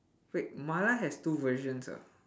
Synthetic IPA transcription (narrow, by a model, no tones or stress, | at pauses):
weʔ̚malaɦɛstuvəʒɔ̃nsa̰